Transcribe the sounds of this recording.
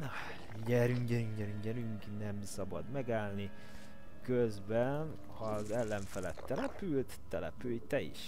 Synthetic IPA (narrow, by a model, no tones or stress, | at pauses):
nɒ | jɛɾyŋɟɛnyŋɟɛɾyŋɟɛɾyŋknɛmsɒbɒ̰d̪mɛɡaːlni | køzbɛn | hɒzɛlːɛɱfɛlɛt̪ːɛlɛpylt̪ːɛlɛ̰pyːjt̪ɛḭʃ